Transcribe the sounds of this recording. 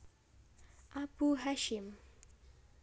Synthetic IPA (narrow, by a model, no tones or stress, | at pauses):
ʔabuɦaʃim